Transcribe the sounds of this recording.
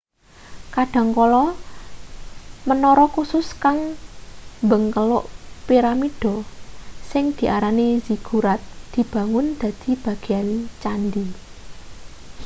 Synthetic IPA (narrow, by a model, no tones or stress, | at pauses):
kaɖ̥a̤ŋkɔlɔ | mənɔɾɔkusʊskaŋ | mbəŋkəlʊʔpiɾamiɖ̥ɔ̤ | sɪŋd̪̥i̤ʔaɾaniziɡ̥ṳɾat̪̚d̪̥i̤b̥a̤ŋʊnd̪̥ä̤d̪̥i̤b̥ä̤ɡ̥eant͡ʃand̪i